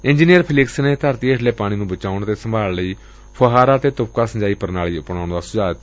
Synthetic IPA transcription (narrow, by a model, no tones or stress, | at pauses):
ɪ̃ɲd͡ʒiːnijəɾpʰɪlɪksneːt̪əɾt̪iːeʈʰleːpaːɽ̃ĩːnũːbət͡ʃaːʊɳt̪eːsəmbʱaːlləiː | pʰəɦaːɾaːt̪eːt̪ʊp̚kaːsəɲd͡ʒaːiːpəɾnaːliːʊpɳ̃aːɳd̪aːsʊd͡ʒaːt̪